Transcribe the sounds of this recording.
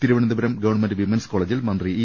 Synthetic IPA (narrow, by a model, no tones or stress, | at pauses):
t̪iɾuʋɐɳɐnd̪ɐbɐɾɐmɡɐʋɐɳmendʋimɐnskoɭeːd͡ʑilmɐnd̪ri